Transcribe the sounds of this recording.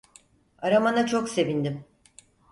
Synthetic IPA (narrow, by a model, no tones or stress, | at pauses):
aɾamanat͡ʃʰo̞kse̞vind̪im